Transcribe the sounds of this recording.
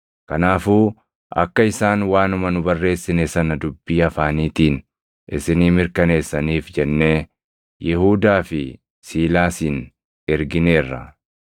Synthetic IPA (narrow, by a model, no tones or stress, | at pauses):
kɐnaːfuː | ʔɐ̰kːɐɪsaːnwaːnʊmɐnʊbɐrːe̞ːsːɪnesɐnɐd̪ʊbːiːɐfaːniːt̪iːn | ʔɪsɪniːmɪɾkɐne̞ːsːɐniːfd͡ʒɛnːe̞ː | jɛhuːd̪aːfɪ | siːlaːsiːn | ɛɾɡɪne̞ːrːɐ̰